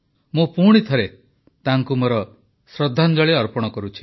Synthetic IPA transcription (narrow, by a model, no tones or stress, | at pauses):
mupuɽ̃it̪ʰɔɾe | t̪aŋkumoɾɔ | sɾɔd̪ʱːand͡ʒɔɭeɔɾpɔɽ̃ɔkɔɾut͡ʃʰi̥